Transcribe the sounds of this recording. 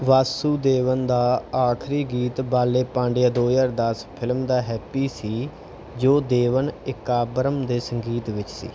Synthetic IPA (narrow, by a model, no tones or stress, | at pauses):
ʋaːsuːd̪eːʋənd̪aːaːkʰɾiːɡiːt̪baːleːpãːɳɖejaːd̪oːjəːɾd̪əspʰɪlmd̪aːɦɛːpiːsiː | d͡ʒoːd̪eːʋənɪkaːbɾəmd̪eːsəŋɡiːt̪ʋɪt͡ʃsḭː